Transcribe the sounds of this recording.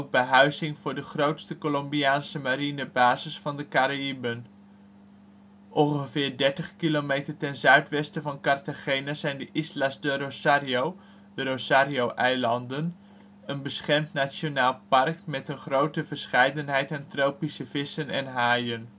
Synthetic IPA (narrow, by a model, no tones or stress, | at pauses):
oɡ̚bəɦœɥzɪŋvʊːɹdəχrowtstəkolɔmbiaːnsəmaɾinəbaːzɪsfɑndəkaɾaibən | ʔɔ̃ŋχəvɪːɹdɛɹtəχkilomejtəɹtɛnzœɥtʋɛstəvɑnkɑrtaχejnəzɛjndəʔɪslasdəɾosariow | dəɾosaːɾiowʔɛjlɑndən | ənbəsχɛɹmtnat͡ʃonaːlˠpɑɹkmɛtənχrowtəvəɹsχɛjdənɦɛjtɛntrowpisəvɪsənɛ̰nɦaːjən